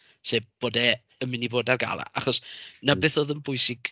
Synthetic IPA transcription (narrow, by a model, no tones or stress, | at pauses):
seːb̚b̥oːdɛ | əmɪniboːdarɡa̰lˠa̰ʔaχɔsnabeːθoːðənbʊɨsɪɡ̥